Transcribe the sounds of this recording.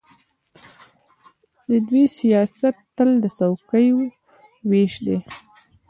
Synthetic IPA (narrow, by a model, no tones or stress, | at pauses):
d̪əd̪wisijɑsat̪ːəld̪əsawkəjo | weʃd̪e